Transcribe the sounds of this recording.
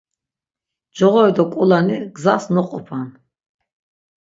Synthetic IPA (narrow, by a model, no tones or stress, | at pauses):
d͡ʒɔʁɔɛd̪ɔkʼulaniɡzasnɔqʼɔpʰan